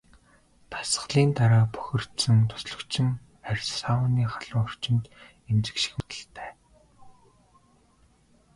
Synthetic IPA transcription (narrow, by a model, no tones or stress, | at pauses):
t̪ʰḁs̆ɮiːnt̪aɾaːpœ̥xʲɪ̆r̥t̪sɘ̆nt̪ʰʊ̥sɮɞ̆kt͡ɕʰɪ̆ŋ | ærʲsawʊniːχaɮʊ̆ŋɔr̥t͡ɕɪ̆nt̪ | emt͡sɘ̆kʃĭ̥xut̪ə̆ɬt̪ʰæː